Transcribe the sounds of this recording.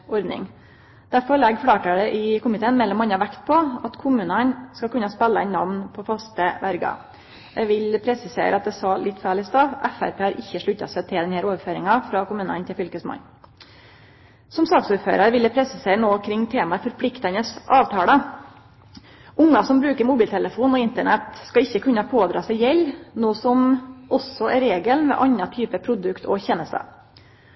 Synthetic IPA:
ɔɾd̪nɪ̰ŋ | d̪̥æɾfɔɾɭɛɡfɽɑːʈəɖɛʔɪkʊmɪt̪ʰeːənmɛlːɔmɑnːɑʋækt̪̚pʰɔɑt̪kʰʊmʉːnənskɑkʉnɑspælːəɛ̰nnɑʋnpʰɔfɑst̪əʋæɾɡɑ̰ | ɛʋɪlpʰɾɛsɪsḛːɾəɑt̪̚d̪ɛsɑlɪt̪ːfæːɭɪst̪ɑʋʔæfæ̰ɾpʰeːhɑɾʔɪçːəʂɭʉt̪ːɑ̰sɛt̪ʰɪld̪ɛnhæːɾoːʋəɾføːɾɪŋɑfɾɑkʊmʉːnə̰nt̪ʰɪlfʏlkəsmɑ̰n | sɔmsɑːksuːɾfø̰ːɾəɾʋɪləpʰɾɛsɪseːɾənoːkʰɾɪŋːt̪ʰeːmɑfɔɾpʰlɪkt̪ɑnəsʔɑːʋt̪ʰɑːlə | ʊŋːɑsɔmbɾʉːkəɾmʊbiːlt̪ʰɛləfuːnɔɪnt̪əɳɛt̪skɑɪçːəkʰʉnːɑpʰoːd̪ɾɑ̰ːsæɪjɛlːnoːsɔmʔɔsɔɛɾeːɡəlnʋɛ̰ʔɑnːɑt̪ʰyːpəpʰɾʊd̪ʉkt̪ʰɔ̰çɛnəst̪ə̰

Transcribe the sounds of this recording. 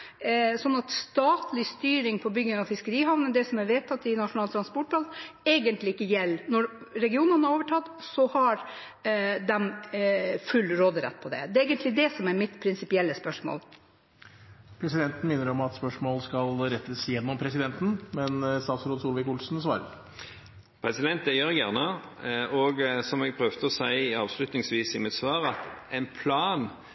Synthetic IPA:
sɔnːɑt̪st̪ɑːt̪ʰlɪst̪yːɾɪŋpʰɔbʏɡːɪŋɑʋfɪskəɾiːɦɑʋnəd̪ɛsɔmɛɾʋɛːt̪ʰːɑt̪ːɪnɑʂʊnɑːlt̪ʰɾɑnspɔʈ̚ːbɑleːɡənt̪lɪɪkːəjɛlːnɔɾ | ɾɛɡɪuːnənəɑɾoːʋəʈʰɑt̪ːsɔhɑɾ | d̪ɛm | fʉlːɾoːd̪ɾɛ̰t̪̚ːpʰɔd̪ɛ̰d̪ɛeːɡənt̪lɪd̪ɛsɔmɛɾmɪt̪pʰɾɪnsɪpɪɛlːəspœʂmo̰l | pʰɾɛsɪd̪ɛnt̪n̩mɪnːəɾɔmɑt̪spœʂmoːlskɑlɾɛt̪ːəsjɛnːɔmpʰɾɛsɪd̪ɛnt̪n̩mɛnst̪ɑːt̪sɾoːd̪suːlʋɪkʊlsnsʋɑ̰ːɾəɾ | pʰɾɛsɪd̪ɛnt̪̚d̪ɛjøɾɡjæʁnə | ɔɡsɔmɛɡ̚pʰɾœʋd̪əɔsæɪɑːʋslʉt̪nɪŋsʋiːsɪmɛsʋɑːɾɑt̪ɛɪnpʰlɑːn

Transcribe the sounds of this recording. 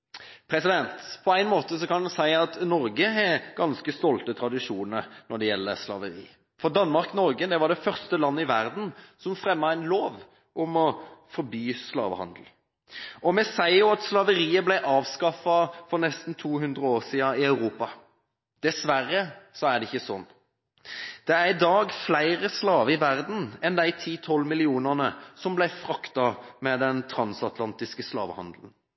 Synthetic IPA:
pʰɾɛsɪd̪ɛnt̪pʰɔæɪnmoːt̪əsɔkɑnd̪əsæɪɑt̪nɔɾɡəɛɡ̥ɑnskəst̪ɔlt̪ət̪ʰɾɑd̪ɪʂuːnəɾnɔɖɛjɛlːə̰slɑ̰ʋəɾḭː | fɔɾd̪ɑnːmɑɾknɔɾɡəd̪ɛʋɑɖɛfœʁst̪əlɑnːəɪʋæʁd̪n̩sɔmfɾɛmːɑæɪnloːʋ | ʔʊmɔfɔɾbyːslɑ̰ːʋə̰hɑ̰nd̪l̩ | ɔmɛsæɪjʊːɑt̪slɑʋəɾiːəblæɪʔɑːʋskɑfɑfɔɾnɛst̪n̩t̪ʰuːɦʉnd̪ʁəoːʁsiːɑɪœʉɾuːpɑ | d̪̥ɛsʋæʁəsɔæɖ̪ɛɪçːəsɔnː | d̪̥ɛæʁɪd̪ɑːɡflæɪʁəslɑːʋəɪʋæʁd̪n̩ɛnd̪æɪt̪ʰiːt̪ʰɔlːmɪlɪuːnənəsɔmblæɪfɾɑkt̪ɑmɛd̪ɛnt̪ʰɾɑnsɑt̪ʰlɑnt̪ɪskəslɑ̰ːʋəhɑ̰nd̪lən̩

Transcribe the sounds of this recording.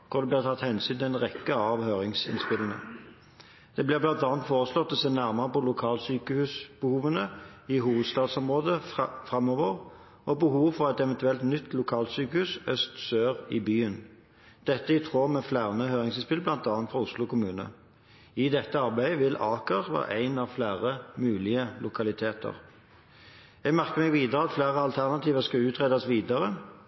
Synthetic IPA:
kʰʊd̪ɛb̪lɪːʁt̪ʰɑt̪hɛnsyːnt̪ʰɪlæɪnʁɛkːəɑʋhøːʁɪŋsɪ̰nspɪləŋə̰ | d̪̥ɛːblɪblɑnt̪ɑːnt̪foːʁəslɔt̪ːɔseːnæʁməʁəpɔlʊkʰɑːlsyːkəhʉːsb̥əhuːʋənə | ɪɦuːʋəd̪st̪ɑːd̪sɔmʁoːd̪əfʁɑmɔʋəʁ | ɔbəhuːʋfɔʁæt̪ɛʋɛnt̪ʉɛlt̪nʏt̪ːlʊkʰɑːlt̪syːkəhʉːsœst̪søːʁɪbyːən | d̪̥ɛt̪ːəɪt̪ʰʁoːmɛflæʁnəhøːʁɪŋsɪspɪlblɑnt̪ɑːɑnt̪fʁɔʁʊslʊkʰʊmʉːnə̰ | ɪd̪ɛt̪ːəɑʁbæɪəʋɪlɑːkəʁʋæ̰ːʁæ̰ɪnɑʋflæːʁəmʉːlɪəlʊkʰɑlɪt̪ʰeːt̪ʰə̰ʁ | jɛɡmæʁkəʁmɛɡʋiːd̪əʁəɑt̪flæːʁəɑlt̪ʰæʁnɑt̪iːʋəskɑʉːt̪ʁɛːd̪ɑsʋiːd̪ɑʁə

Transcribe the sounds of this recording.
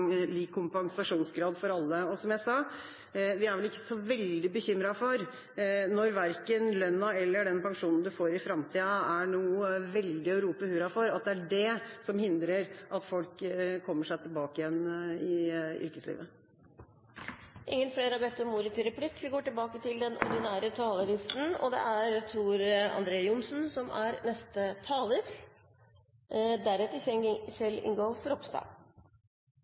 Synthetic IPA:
liːkʰːʊmpɑŋsɑʂuːnsɡɾɑːd̪fɔɾɑlːəɔsɔmjæɪsɑː | ʋɪæɾʋɛlɪkːə̥sɔʋɛld̪ɪbəçʏmːɾɑfɔɾ | nɔɾʋæɾkənlœnːɑɛlːəɖɛnpɑŋʂuːnn̩d̪ʉfoːɾɪfɾɑmt̪ʰiːɑæɳuːʋɛld̪ɪɔɾuːpəhʉːɾɑfɔɾɑt̪̚d̪ɛæɖɛsɔmhɪnd̪ɾəɾʔɑt̪fɔlkkʰːɔmːəʂæɪt̪ʰɪlbɑːkəɪjɛnːɪʏ̰ɾkəslḭːʋə | ʔɪ̰ŋːənfleːɾɑbɛt̪ːɔmuːɾət̪ʰɪɾɑplɪkːʋɪɡoːʈɪlbɑːkət̪ʰɪld̪ɛnʔɔ̰ɾɖ̪ɪnæːɾət̪ʰɑːləɾɪst̪n̩ɔ̰d̪ɛ̰ʔæɾt̪ʰɾuːɾɑ̰nd̪ɾeːjʊnsn̩sɔmæɾnɛst̪ət̪ʰɑːlɪs | d̪æɾɛt̪əsɛsɛlɪ̰ŋɡɔːfɔɾɔpst̪ɑ̰ː

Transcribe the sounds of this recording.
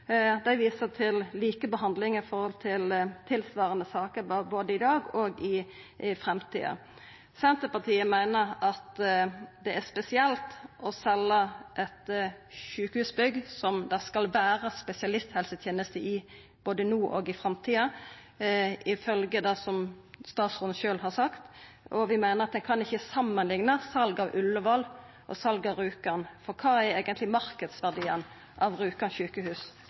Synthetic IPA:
d̪æɪʋiːsət̪ʰɪlliːkəbəɦɑnd̪lɪŋɪfɔʁhɔlt̪ʰɪlt̪ʰɪlsʋɑːʁənəsɑːkəɾbboːd̪əɪd̪ɑːɡɔɡɪ | fʁɛmt̪ʰḭːɑ̰ | sɛnt̪əpɑt̪ʰiːəmæɪnəɾɑt̪d̪ɛæspɛsɪɛlt̪ɔsɛlːəʔɛt̪ʃʉːkəhʉːsbʏɡsɔmd̪ɑskɑlʋæːɾəspɛsɪɑlɪst̪hɛlsət̪ʰjeːnəst̪əʔɪ | b̥oːd̪ənuːʔɔɡɪfʁɑmt̪ʰiːɑ | ɪfœlɡəd̪ɑsɔmst̪ɑːt̪sɔnʃøːlhɑʁsɑkt̪ | ʔɔʋɪmæɪnəʁɑt̪̚d̪ɛnkʰɑnɪçːəsɑmːənlɪŋnəsɑlɡɑʋʉlːəʋɑl | ʔɔ̰sɑlɡɑʋɾʉːkəʁnfɔʁkʰɑːɛɾeːɡənt̪lɪmɑɾkəd̪sʋæʁd̪iːən | ʔɑʋʁʉːkənçʉːkəhʉːs

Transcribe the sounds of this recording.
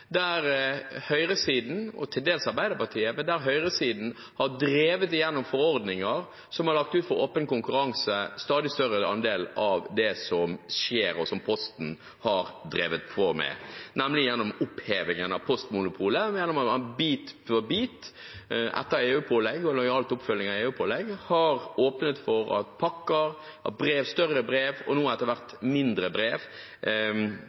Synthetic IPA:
d̪æɾhœʏɾəsiːd̪n̩ɔ̰t̪ʰɪld̪eːlsɑɾbæɪd̪əɾpɑt̪ʰiːəmɛnd̪æɾɦœʏɾəsiːd̪n̩ | hɑɾd̪ɾeːʋət̪ɪjɛnːɔmfɔɾɔɾd̪nɪŋəɾ | sɔmhɑɾɭɑk̚t̪ʉːt̪fɔɾo̰ːpənkʊŋkʉɾɑŋsəst̪ɑːd̪ɪst̪œɾəɑ̰nd̪eːlɑʋd̪ɛsɔmʃeːɾɔsɔmpʰɔst̪n̩ | hɑɾd̪ɾeːʋət̪fɔɾmɛ̰nɛmlɪjɛnːɔmʊpheːʋɪŋənɑʋpʰɔst̪mʊnʊpʰuːləjɛnːɔmɑɑbiːt̪fɔɾbiːt̪ | ʔɛ̰t̪ːəɾeːʉːpʰoːlɛɡɔlɔɪɑːlt̪ʊpfœlːɪŋɑeːʉːpʰoːlɛɡhɑɾoːpnət̪fɔɾɑ̰t̪̚pʰɑkːəɾ | ʔɑt̪̚bɾeːʋst̪œrəbɾeːʋɔnuːɛt̪ːəɾʋæɾt̪mɪnd̪ɾəbɾeːʋ

